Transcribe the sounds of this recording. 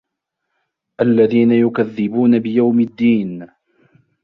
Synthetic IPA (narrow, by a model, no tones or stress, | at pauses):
ʔalːaðiːnajʊkaðːɪbuːnabɪjawmɪd̪ːiːn